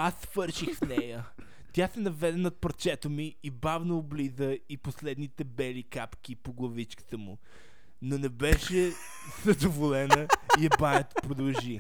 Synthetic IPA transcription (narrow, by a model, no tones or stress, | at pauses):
asv̥ɤɾʃixfnɛjə | t̪ʲjasɛnɐvɛd̪ɛnot̪̚pɾɐt͡ʃɛt̪omiːbavnoːblizəiposlɛd̪nit̪ɛbɛlikapk̟ipoɡlˠɐvit͡ʃki̥t̪əmʊ | nonɛbɛʃɛ | z̥ɐd̪ovolɛnəiɛbaɛt̪o̥pɾod̪ɐlˠʒi